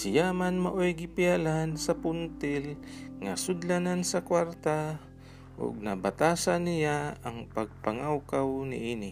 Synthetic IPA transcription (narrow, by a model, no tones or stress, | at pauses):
sɪjamanmaʔojɡɪpɪalansɐpʊnt̪ɪlŋasʊd̪lanansɐkwaɾt̪a | ʔʊ̰ɡ̚nabat̪aːsanɪjaɐŋpaɡ̚paŋawkawnɪ̰ʔinɪ